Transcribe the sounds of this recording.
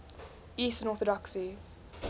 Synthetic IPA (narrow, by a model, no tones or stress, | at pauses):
iːˑstə̃nɔˑθədɔksi